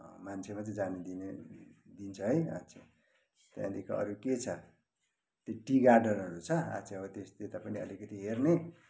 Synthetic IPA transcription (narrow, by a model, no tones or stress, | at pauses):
mant͡sʰemat͡sʌ̃d͡zaned̪ined̪int͡sʰʌɦʌja̰t͡sʰe | t̪ã̰d̪ikʰoʌ̰ɾuket͡sʰʌ | t̪joʈiɡarɖʌrʌɾut͡sʰʌa̰t͡sʰeʌbʌt̪est̪et̪apʌniʌ̰likʌt̪iɦerne